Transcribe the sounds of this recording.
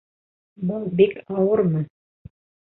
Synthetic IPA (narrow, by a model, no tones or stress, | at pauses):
bɤlˠbikɑwɤɾmɤ